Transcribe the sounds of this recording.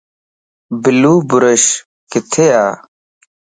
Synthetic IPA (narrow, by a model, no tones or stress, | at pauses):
biluːbʊɾɐɕ | kit̪ʰejaː